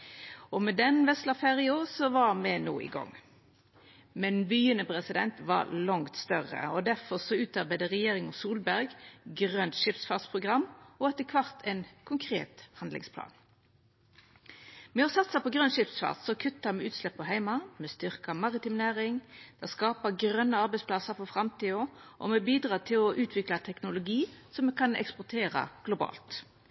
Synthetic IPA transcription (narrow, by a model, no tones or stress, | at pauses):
ɔmɛd̪ɛnʋɛslɑfeːʁɪʊsɔʋɑɾmɛnṵːɪ̰ɡɔ̰ŋː | mɛnbyːənəpʁɛsɪd̪ɛnt̪ʋɑ̰lɑŋt̪st̪œʁə̰ɔd̪æɾfɔsɔʉːt̪ɑɾbæɪd̪əʁɛjeːʁɪŋɔsuːlbæɾɡɡʁœnt̪ʃɪpsfɑːt̪spʰʁʊɡʁɑmːɔɛt̪ːəkʰʋɑʁt̪ʰɛnkʰʊŋkʰʁḛːt̪hɑnd̪lɪ̰ŋspʰlɑ̰ːn | mɛɔsɑt̪sɑpɔɡʁœnʃɪpsfɑ̰ːʁd̪sɔkʰʉt̪ːɑmɛʉːt̪slɛpːɔɦæɪmɑmɛst̪ʏʁkɑmɑʁɪt̪ɪmnæːʁɪŋd̪̥ɛskɑːpəɡɾœnːəɑɾbæɪspʰlɑsəɾfɔfʁɑmt̪iːɔʔɔ̰mɛbiːd̪ʁɑːt̪ʰɪlɔʔʉːt̪ʰʋɪklɑt̪ʰɛknʊlʊɡiːsɔmɛkʰɑnɛ̰kspʊʁt̪ʰeːʁə̰ɡ̥lʊbɑ̰ːlt̪